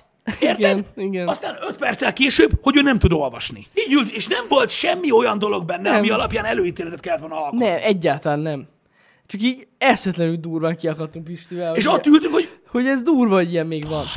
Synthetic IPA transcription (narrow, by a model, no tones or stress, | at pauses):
eiːrtɡ̪ɛniɡɛnɒst̪aːnøt̪pɛrt̪sɛlkeːʃøːbho̞ɟøːnɛmt̪ud̪o̞lvɒʃnḭiːɟylt̪eːʃnɛmvo̞lt̪ʃɛmːio̞jɒnd̪o̞lo̞ɡ̚bɛnːɛmiɒlɒpjaːnɛløːiːt̪eːlɛt̪ɛt̪kɛlːɛt̪ʋolnɒlknɛmʔɛɟːaːlt̪ɒlaːnːɛm | t͡ʃɒkiːɟɛʃɛt̪lɛnyld̪uːrvaːŋkiɒkɒt̪ːuŋkiʃt̪ivɛlheːʃɒst̪ːylt̪ykhoɟho̞ɟɛzd̪uːrvɒɟijɛmːeːɡʋɒn